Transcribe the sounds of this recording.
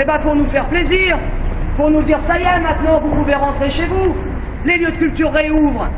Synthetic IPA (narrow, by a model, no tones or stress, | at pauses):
ebãpuʁnufɛʁpleziːʁpuʁnud̪iʁsajemɛ̃t̪nɑ̃vupuveʁɑ̃t̪χeʃevu | leljød̪əkʲylp̚t̪yʁːeuvʁ